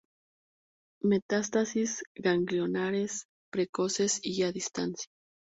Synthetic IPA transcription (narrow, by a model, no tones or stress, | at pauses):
me̞t̪ast̪asizɡaŋɡljo̞naɾe̞s | pɾeko̞se̞siaðist̪ansja